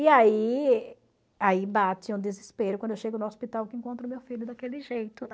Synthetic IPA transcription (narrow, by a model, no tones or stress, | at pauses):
iai | aibat͡ʃɪũd̪ɪzispeɾʊkwɐ̃d̪ewʃeɡʊnʊospit̪awkɪẽŋkõnt̪̬ɾʊmewfilʊd̪akelɪʒejt̪ʊ